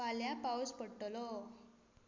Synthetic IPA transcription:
aljapawspəɽʈlo

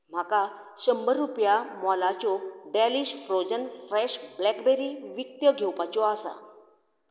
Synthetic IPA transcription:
m̤aka | ɕəmbəɾːupjamɔlat͡ɕɔɖɛliɕfɾod͡ʑənfɾɛɕblɛkbeɾiʋik̚t̪jəɡʱewpat͡ɕɔasa̰

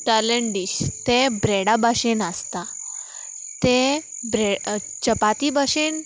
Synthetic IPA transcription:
ʈəleɳɖiɕt̪ẽbɾeɽabaɕenast̪a | t̪ebɾe | t͡ɕəpat̪ibaɕen

